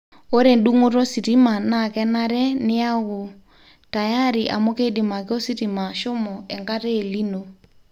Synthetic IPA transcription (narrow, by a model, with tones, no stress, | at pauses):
o˦ɾe˨ndu˦ŋo˦ɾo˦si˨ɾi˦ma˨na˨kɛ˦na˦ɾɛ˦nɪ˦a˦ɣo˨ | ta˨ja˦ɾi˨ʔa̰˨mo˦ke˦di˨ma˨ke˦o˦si˦ɾi˨ma˨ʃo˦mɔɛ˨ŋɡa˦ɾeː˦˨li˦no˦